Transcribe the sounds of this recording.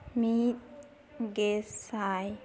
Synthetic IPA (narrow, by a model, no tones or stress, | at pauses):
mit̪̚ | ɡessaj